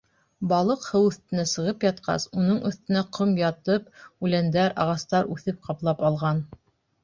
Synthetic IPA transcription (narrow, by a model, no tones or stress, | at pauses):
bɑlˠɤqhɤwɵ̆θt̪ɘ̆næsɤ̆ʁɤpjɑt̪̚qɑ̰sunɤɴɵ̆θt̪ɘ̆næqʰomjɑt̪ɤpʉlænd̪æɾɑʁɑst̪ɑɾʉθɘp̚qɑplˠɑpɑlˠʁɑn